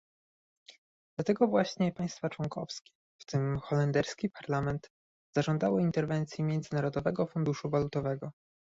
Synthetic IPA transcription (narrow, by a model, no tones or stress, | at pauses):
d̪̥lat̪ɛɡɔvwaɕɲɛpaj̃st̪fat͡ʂwɔŋkɔ̰fskʲɛ̥ | ft̪ɘmxɔlɛnd̪ɛɾskʲipaɾlamɛnt̪ | z̥aʐɔnd̪awɪint̪ɛɾvɛnt̪sʲjimʲjɛnd̪zɘnaɾɔd̪ɔvɛɡɔfund̪uʂuvalut̪ɔvɛɡɔ